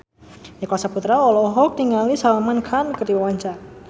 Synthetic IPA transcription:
nakasaput̪ɾaɔlɔɦɔk̚niŋalisalamankʰankərdiwawaɲt͡ʃar

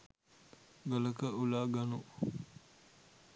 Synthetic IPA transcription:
ɡələkəulaːɡanu

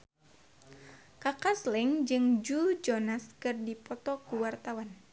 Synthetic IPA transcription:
kakaslɛŋd͡ʒɨŋd͡ʒud͡ʒɔnaskɨrdipɔt̪ɔkuwart̪awan

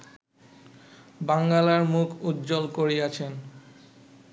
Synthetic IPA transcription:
baŋɡalaɾmukʰud̪d͡ʑolkoɾiat͡ɕʰen

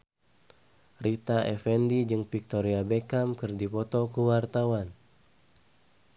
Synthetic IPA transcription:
rit̪aɛfɛndid͡ʒɨŋpik̚t̪ɔɾiabekamkɨrdipɔt̪ɔkuwart̪awan

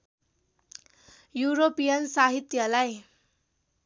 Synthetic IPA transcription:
juɾopijʌnsaɦit̪jʌlaj

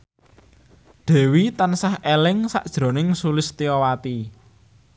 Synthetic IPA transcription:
d̪̥ɛ̤wit̪ansahʔelɪŋsa̰ʔd̥ʒ̥ɾo̤nɪŋsulɪst̪iɔwat̪i

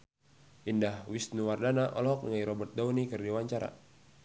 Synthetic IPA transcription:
ʔindahwisnuwardanaʔɔ̰lɦɔk̚ŋajɾɔbərt̪̚daunikɨrdiwaɲt͡ʃaɾa̰

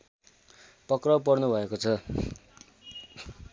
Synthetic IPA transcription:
pʌkrʌp̬ʌrnubʱʌekot͡sʰʌ

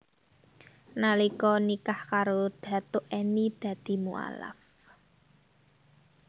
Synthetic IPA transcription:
nalikɔnikahkaɾod̪̥ä̤t̪ʊʔenid̪̥ä̤d̪̥i̤mṵa̰la̰f

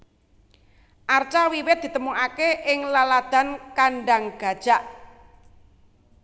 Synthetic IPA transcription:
ʔart͡ʃawiwɪt̪̚d̪̥i̤t̪əmuʔakeʔɪŋlalad̪̥a̤nkaɳɖaŋɡ̥a̤d̥ʒ̥a̤ʔ

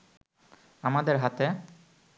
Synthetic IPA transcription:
amad̪eɾɦat̪e

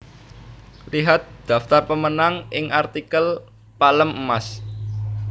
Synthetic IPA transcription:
liɦat̪̚d̪̥a̤ft̪arpəmənaŋʔɪŋʔart̪ikəl | paləməmas

